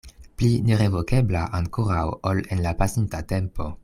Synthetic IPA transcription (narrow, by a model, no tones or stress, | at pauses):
plineɾevo̞ke̞blaʔaŋkoɾawole̞nlapasintate̞mpo̞